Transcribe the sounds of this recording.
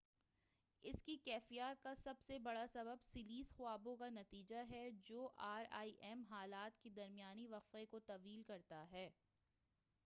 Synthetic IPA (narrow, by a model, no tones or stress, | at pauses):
ɪskikɛːfijaːt̪̚kasɐbsebɐɽasɐbəbsɪliːzxʊaːbõkanɐt̪iːd͡ʒaɦɛd͡ʒoːʔaːɾa̰ːiʔɛːmɦaːlaːt̪ked̪ɐɾmɪjaːniʋɐqfekot̪ɐʋiːlkɐɾt̪aɦɛː